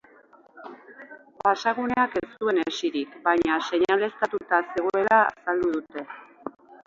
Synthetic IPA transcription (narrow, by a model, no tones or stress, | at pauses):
pasaɣ̞uneake̞st̪ue̞nesiɾikbajɲase̞ɲale̞st̪at̪ut̪ase̞ɣoe̞la̰sald̪uðut̪e̞